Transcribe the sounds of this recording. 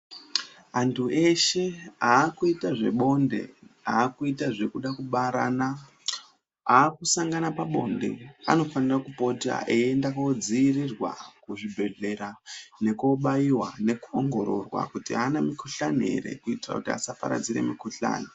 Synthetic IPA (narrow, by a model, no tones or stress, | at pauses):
antʰue̞ʃe̞aːkuitaʐe̞̰ɓo̞nde̞̰aːkuitaʐe̞kuɗakuɓaɾa̰ːna | aːkusaŋɡanapaɓo̞ndḛa̰no̞fanirakupo̞ta̰ʔeendakod͡ziːrirwa̰kuʐibʱe̞ɮe̞ɾane̞koɓajiwane̞kuoŋɡo̞ɾo̞rwa̰kutianamikʰuɬaniɦe̞̰ɾe̞̰kuitira̰kutia̰sapa̰ɾa̰d͡zire̞̰mikuɬa̰ːni